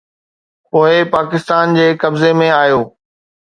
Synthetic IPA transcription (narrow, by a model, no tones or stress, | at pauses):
poːɪpaːkɪst̪aːnd͡ʑeːkɐbzemẽaːjoː